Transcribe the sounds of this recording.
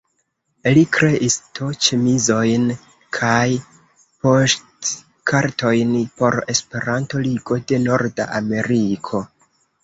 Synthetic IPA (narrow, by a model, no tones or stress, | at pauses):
likɾe̞ʔistot͡ʃemizo̞jn | kʰaj | po̞st | kʰaɾto̞jnpo̞ɾe̞spe̞ɾanto̞liɡo̞de̞no̞ɾda̰ʔame̞ɾikʰo̞